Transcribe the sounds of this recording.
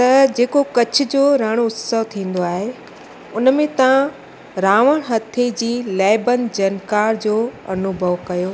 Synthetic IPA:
t̪ɐd͡ʑeːkokɐt͡ɕʰʊ̆d͡ʑoːɾãːɽ̃oʊt̪səʋt̪ʰĩːn̆d̪oaːɦe | ʊnmẽt̪ɐʋã | ɾaːʋəɽ̃ɦɐt̪ʰed͡ʑiːlɛːɪbənd͡ʑɐnkaːɾd͡ʑoːɐ̰nʊbʱəʋkɐjoː

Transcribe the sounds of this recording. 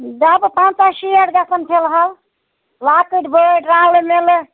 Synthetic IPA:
d̪əbpãt͡ʃaʃiəɽɡasəmpʰelɦəl | lakiʈbəɖɾãlmel

